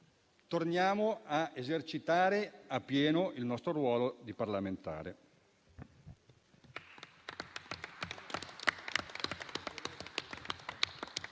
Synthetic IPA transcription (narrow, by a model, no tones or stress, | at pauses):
t̪ornjaːmoaezert͡ʃit̪aːɾeapːjɛːnoʔilnɔst̪ɾoɾwɔːlod̪iparlament̪a̰ːɾe